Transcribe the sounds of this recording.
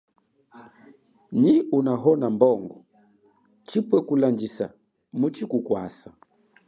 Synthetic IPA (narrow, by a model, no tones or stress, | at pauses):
ɲiunaɦɔnambɔŋɡɔ | t͡ʃipwɛkuland͡ʒisa | mut͡ʃikukwa̰sa